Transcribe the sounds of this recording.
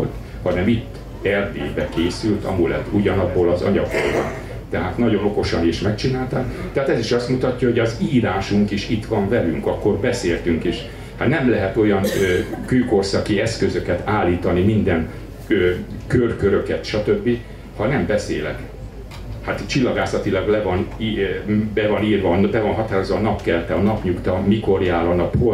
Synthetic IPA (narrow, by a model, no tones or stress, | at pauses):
lt̪ | hɒnɛmit̪ː | ɛrd̪ḛːbɛkeːsylt̪ɒ̰mulɛ̰t̪uɟɒnɒbːoːlɒzɒ̰ɲɒɡo̰lvɒ̰n | t̪ɛɦaːt̪nɒɟo̞no̞ko̞ʃɒniʃmɛkt͡ʃinaːlt̪aːk | t̪ɛɦaːt̪ɛziʃɒst̪mut̪ɒcːɒho̞ɟɒziːɾaːʃuŋkiʃit̪ʋɒɱvɛlyŋkɒkːo̞rbɛseːlt̪yŋkiʃ | hat̪nɛmlɛɦɛt̪o̞jɒnːkyːko̞rsɒkiɛskø̞zøkɛt̪aːlːiːt̪ɒnimind̪ɛn | øːkørkøɾø̞kɛt̪ʃɒt̪ø̞bːi | hɒnɛmbɛsḛːlɛ̰k | hat̪t͡ʃilːɒɡaːsɒt̪ilɒɡlɛvɒnibɛvɒniːrvɒnbɛvɒnɦɒt̪aːɾozɒːnɒpkɛlɛt̪ɛɒnɒpɲukt̪ɒmiko̞rjaːlɒnɒpho